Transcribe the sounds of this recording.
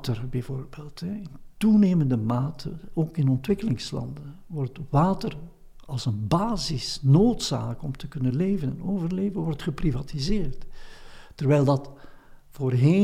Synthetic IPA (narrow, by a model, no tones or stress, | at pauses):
tərbɛvoːrbeːlˠtɦɛɪntuneːməndəmaːtʰəoːkɪnɔntʋɪkəlɪŋslɑ̰ndən | ʋɔrtʋaːtər | ɑlˠsənbaːzɪsnoːtsa̰ːkɔmtəkɵnənleːvənɛnoːvərleːvənʋɔrtχəprivaːtizeːrt | tərʋɛjlˠdɑtvoːrɦeː